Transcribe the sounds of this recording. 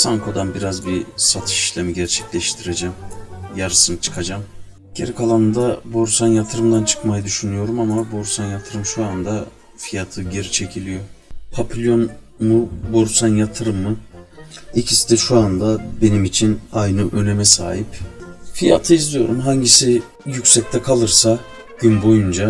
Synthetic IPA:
saŋkʰo̞d̪anbiɾazbisat̪ʰɯ̥ʃi̥ʃlʲemiɟæɾt͡ʃʰɛ̥clʲɛʃt̪ʰiɾed͡ʒɛmjaɾɯsɯnɯt͡ʃʰɯ̥kʰad͡ʒam | ɟ̥e̞ɾikʰalˠanɯnd̪aboɾsanjat̪ʰɯɾɯmd̪ant͡ʃʰɯ̥kmajɯd̪yʃynyjo̞ɾumamaboɾsanjat̪ʰɯɾɯmʃuand̪a | fijat̪ʰɯɟe̞ɾit͡ʃʰe̞cʰilʲijo̞pʰapʰilʲjo̞n | mubo̞ɾsanjat̪ʰɯɾɯmːɯ | ilʲcʰisid̪ɛʃuand̪abe̞nimit͡ʃʰinajnɯʔø̞nemɛsa̰ːɦipfija̰t̪ʰɯizlijo̞̰ɾumɦaɲɟisi | jycʲsɛc̚t̪ʰɛkʰalˠɯɾsa | ɟ̥ynbo̞jund͡ʒa

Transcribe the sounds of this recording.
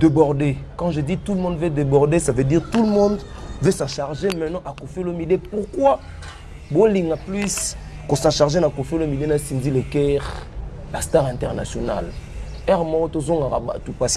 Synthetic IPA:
debɔʁdekɑ̃ʒeditulmɔ̃dvedebɔʁdesavediʁtulmɔ̃ndvesɑ̃ʃaʁʒemɛnɑ̃ʔakofelomidepuʁkwa | boliŋɡaplys | kosɑ̃ʃaʁʒenakofelomidenasinzilekɛʁ | lastaʁɛ̃ntɛʁna̰sjona̰l | ɛʁmɔtozoŋɡaʁa̰ba̰tupas

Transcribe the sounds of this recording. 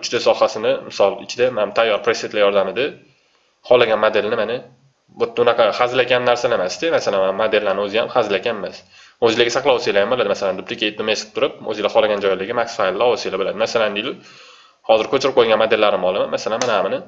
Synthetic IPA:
ʊt͡ʃʰd̪ɪsɒhasɪnɪmɪsɒlˠɪ̰t͡ʃʰɪd̪amat̪ʰajːɒɾpʰɾeset̪lajɒɾd̪amɪd̪ɪ | χɒlaɡʲanmod̪e̞lnɪmanɪ | bot̪ːʊnɑqʰɑχazlakʲanːaɾsalemasd̪ɪmasalanmanmad̪e̞lːanɪɵzɪjamχazɪlakʲanemas | ozɪlaɡʲɪsaχlˠawɒsijlajambolad̪ɪmasaland̪ʊplɪkʲaet̪̚d̪omasɪ̥t̪ʰʊɾɪp̚o̰zɪlaχɒlaɡʲand͡ʒɒjlɪɡʲɪmaksfajlˠːaɒwsijlabolad̪ɪmasaland̪ɪl | hɒzɪɾkʰɵt͡ʃʰɪɾɪp̚qʰojɡʲanmod̪e̞lːaɾɪmɒlˠɪmanmasalanmanaamɪnɪ

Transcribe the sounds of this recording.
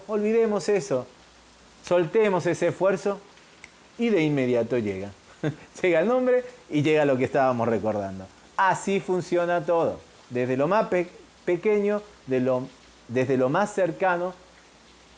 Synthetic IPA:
olβiðe̞mo̞se̞so̞ | solt̪e̞mo̞se̞seːsfwe̞ɾso̞ | iðeinmːe̞ðjat̪o̞ʒeɣa | ʒeɣaelnõ̞mbɾe̞iʒe̞ɣalo̞k̬est̪aβamosreko̞ɾða̰nd̪o̞ | asifunsjo̞nat̪o̞ðo̞̰ | ðezðelo̞map | peke̞ɲo̞ | ðelo | d̪e̞zðe̞lo̞masːeɾkano

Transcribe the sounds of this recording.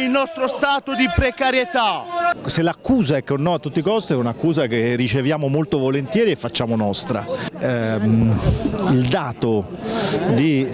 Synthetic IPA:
ilnɔst̪ɾost̪aːt̪od̪ipɾekaɾjet̪aselakːuːzaɛkːonːɔat̪ːut̪ːikɔst̪iɛunakːuːzakerːit͡ʃevjaːmomolt̪ovolent̪jɛːɾiefːat͡ʃːaːmonɔst̪ɾa̰ɛm | ild̪aːt̪o | d̪i

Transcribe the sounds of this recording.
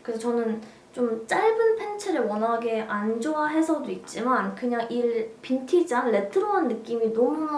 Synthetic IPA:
kɯsʰet͡ɕʌnɯn | t͡ɕ͈omt͡ɕ͈aɭbɯnpʰe̞nt͡ɕʰeɾɯwʌnɦaɡe̞ʔand͡ʑoaɦe̞sʰʌdoit̚t͡ɕ͈imankɯɲaŋʔiɭpintʰid͡ʑaŋɭe̞tʰɯɾoanːɯk͈iminʌmu

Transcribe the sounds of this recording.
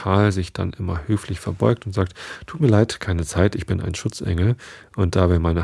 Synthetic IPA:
aːlzɪçd̥a̰nʔɪmɐhøːflɪçfɛɐbɔʏk̚tʊntz̥aːk̚ttʰːuːt̚miːɐlaɪtkʰaɪnət͡saɪtɪçb̥ɪna̰ɪnʃʊt͡sʔɛ̰ŋl̩ʔʊnt̚d̥aːvɪːɐmaɪnə

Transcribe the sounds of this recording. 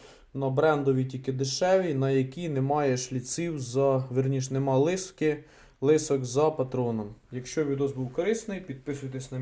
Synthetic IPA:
nɐbɾɛnd̪ɔʋʲitʲilʲkɪd̪ɪʃɛʋʲinɐjɐkʲinɛmɑjɛʃlʲit̪sʲiwzɐʋɪrnʲiʃnɛmɑlˠɪskɪ | lˠɪsɔkzɐpɐt̪ɾɔnɔmjɐkʃt͡ʃɔʋʲid̪ɔzbuwkɔɾɪst̪nɪjpʲid̪̚pɪsʊjt̪ɛsʲnɐ

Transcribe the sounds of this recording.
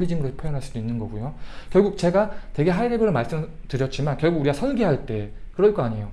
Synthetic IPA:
ɾid͡ʑimɯɾɯɭpʰjʌjʌnɦaɭs͈ud̥oinːɯnɡʌɡujokjʌɭɡuk̚t͡ɕe̞ɡatwe̞ɡe̞ɦaiɾebɯɾomaɭs͈ɯmtɯɾjʌt̚t͡ɕ͈imankjʌɭɡuɡuɾiɡasʰʌnɡiɦaɭt͈e̞kɯɾʌɭk͈ʌaɲejo

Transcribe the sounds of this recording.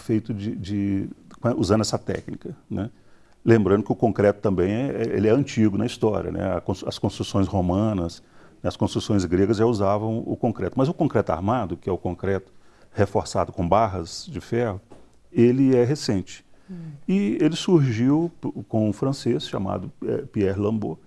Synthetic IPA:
fejt̪ʊd͡ʒɪd͡ʒɪkuzɐ̃nd̪ɛsɐt̪ɛ̰knikɐnɛ | lẽmbɾɐ̃nd̪ʊkɪʊkõkɾɛt̪ʊt̪ɐ̃mbẽj̃ɛɛḛlɪɛɐ̃t͡ʃiɡʊnɐist̪ɔɾʲiɐ̰nɛ̰ɐkõsɐskõst̪ɾusõj̃shomɐ̃nɐsnɛɐskõst̪ɾusõj̃zɡɾeɡɐzʒauzavɐ̃w̃ʊ̰kõkɾɛt̪ʊmɐzʊkõkɾɛt̪ʊa̰ɾmad̪ʊkɪɛʊkõŋkɾɛt̪ʊ̥ | hefoɾsa̰d̪ʊkõbaɦɐzd͡ʒɪfɛhʊ | elɪɛɦesẽnt͡ʃɪ̥ɪelɪsuɾʒiwkõũfɾɐ̃sesʃa̰ma̰d̪ʊɛ̰piɛɾlɐ̃mbo

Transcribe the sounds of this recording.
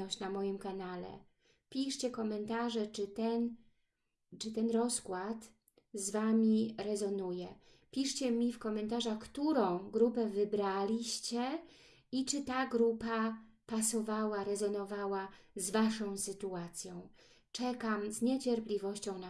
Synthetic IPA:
ɔt͡ɕnamɔjimkanalɛ̰ | pʲiʂt͡ɕɛkɔmɛnt̪aʐɛt͡ʂɘt̪ɛn | t͡ʂɘt̪ɛnɾɔskwat̪ | zvamʲiɾɛzɔnujɛ | pʲiʂt͡ɕɛmʲifkɔmɛnt̪aʐaxkt̪uɾɔ̃w̃ɡɾupɛvɘbɾalʲiɕt͡ɕɛ | it͡ʂɘt̪aɡɾupa | pasɔvawaɾɛzɔnɔvawazvaʂɔ̃w̃sɘt̪uat̪sʲjɔ̃w̃ | t͡ʂɛkamzɲɛt͡ɕɛɾplʲivɔɕt͡ɕɔ̃w̃na

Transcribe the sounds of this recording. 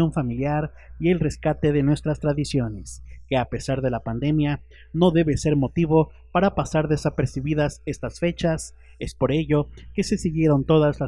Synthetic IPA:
o̞ɱfamiljaɾ | ie̞lre̞skat̪e̞ðe̞nwe̞st̪ɾast̪ɾaðisjo̞ne̞ske̞ape̞saɾðe̞lapand̪e̞mja | no̞ðe̞βe̞se̞ɾmo̞t̪iβo̞ | paɾapasaɾðe̞sape̞ɾsiβiðase̞st̪asfe̞t͡ʃas | e̞spo̞ɾe̞ʝo̞ke̞se̞siɣje̞ɾo̞nt̪o̞ðazla

